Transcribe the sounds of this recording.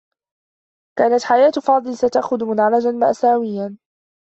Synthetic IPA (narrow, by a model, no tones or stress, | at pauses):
kaːnat̪ħajaːt̪fɑːd̪ˤɨlsat̪aʔxʊðmʊnʕalad͡ʒanma̰ʔsaːwɪjːan